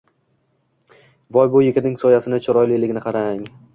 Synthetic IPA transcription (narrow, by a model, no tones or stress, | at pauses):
vɒjbʊjɪkʲɪnɪŋsɒjasɪnɪt͡ʃʰɒɾɒjlɪlɪɡʲɪnɪqʰɑɾaŋ